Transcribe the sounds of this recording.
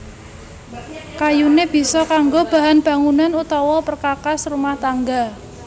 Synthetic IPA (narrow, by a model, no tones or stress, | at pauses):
kajuneb̥i̤sɔkaŋɡob̥a̤ɦanb̥a̤ŋunanut̪ɔwɔpərkakasrumaht̪aŋɡa